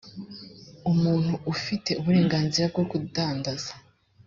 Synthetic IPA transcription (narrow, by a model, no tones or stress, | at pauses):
umuːn̥huːfite̞uβuɾe̞ːŋɡaːnziɾab̚ɡoɡudaːndaz̥ḁ